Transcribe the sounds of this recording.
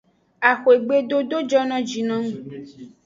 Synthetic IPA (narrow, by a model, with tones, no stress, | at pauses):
a˨xo˨e˨ɡ͡be˦do˦do˦d͡ʒɔ˦nɔ̃˦d͡ʒi˨nɔ̃˦ŋũ˦